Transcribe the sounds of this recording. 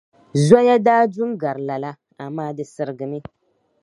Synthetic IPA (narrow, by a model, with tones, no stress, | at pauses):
za˦ja˦daː˦du˦ŋɡa˨ɾla˨la˦ | a˨maː˦dɨ˨sɨ˨ɾɨ˨ɡɨ˨mi˦